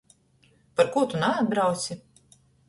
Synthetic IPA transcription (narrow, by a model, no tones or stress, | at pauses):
paɾkuɔt̪unaad̪̚bɾawt̪sʲi